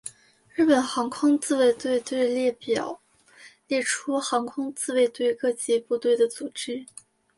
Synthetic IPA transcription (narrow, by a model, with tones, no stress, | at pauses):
ɻɻ̩˥˩pə˨˩nxɑ˧˥ŋkʰʊ˥ŋt͡sɹ̩˥˧we˥˧ɪt̪we˥˧ɪt̪we˥˧ɪljɛ˥˩pjɑ˨˩˦ʊ | ljɛ˥˩ʈ͡ʂʰu˥xɑ˧˥ŋkʰʊ˥ŋt͡sɹ̩˥˧we˥˧ɪt̪we˥˧ɪkɤ˥˩t͡ɕi˧˥pu˥˧t̪we˥˩ɪd̪ə˩t͡su˨˩ʈ͡ʂɻ̩˥